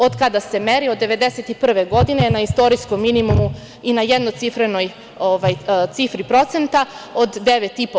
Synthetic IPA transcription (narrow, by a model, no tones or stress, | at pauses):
od̪kad̪ase̞meɾio̞d̪ːe̞ʋe̞d̪ese̞t̪ipr̩ʋe̞ɡo̞d̪ine̞naist̪o̞ɾijsko̞mːinimumu | inajed̪nojt̪sifɾeno̞j | oʋajt̪sifɾipɾo̞t̪se̞nt̪ao̞d̪ːeʋe̞t̪ipo